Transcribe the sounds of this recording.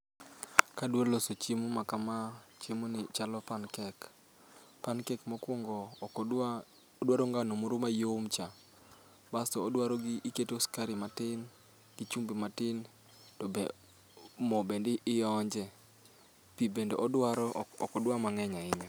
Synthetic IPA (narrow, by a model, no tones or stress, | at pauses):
kadwolosot͡ʃimumakamat͡ʃemonɪt͡ʃalɔpankɛk | pankɛkmɔkwɔŋɡɔ | dwaɾoŋɡanomoɾomajomt͡ʃa | basɔːdwaɾɔɡɪʔiketoskaɾimatɪn | ɡ̥it͡ʃumbimatɪn | tɔbe | mɔbendɪʔɪjɔɲd͡ʒɛ | pibendoʔɔdwaɾɔ̰kɔdwamaŋɛɲaɪɲɔ